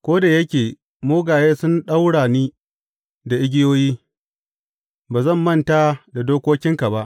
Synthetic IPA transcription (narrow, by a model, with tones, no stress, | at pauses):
kʷoː˦da˨jɐ˦kʲeː˨ | moː˦ɡaː˨jeː˦sʊ˦nɗa˦wɽaː˨niː˦ | da˨ʔɪ˦ɡʲɪ˦joː˦jiː˦ | baː˨zɐ˦˨mːɐ˦˨nta˦da˨doː˦kʷoː˦kʲɪ˦ŋka˨ba˦ʔ